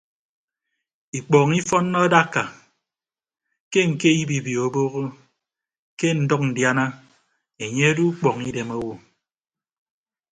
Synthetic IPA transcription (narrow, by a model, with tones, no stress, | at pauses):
i˨k͡pɔː˨ŋi˦fɔ˦nːɔ˦da˦˨ka˨ | ke˦ŋ̩˨ke˦ji˦bi˨bi˨o˨bo˦ɣo˦ | ke˦n̩˨dɔ˦k̚n̩˨dja˦na˦ | e˨ɲe˦a˦du˦k͡pɔ˨ŋi˦de˨mo˦wo˨